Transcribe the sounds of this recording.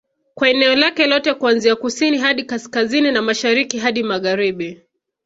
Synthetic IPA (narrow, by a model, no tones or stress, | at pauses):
kwaɛnɛɔlakɛlɔtɛkuanziakusiniɦaɗikaskazininamaʃaɾikiɦaɗimaɣaɾiɓi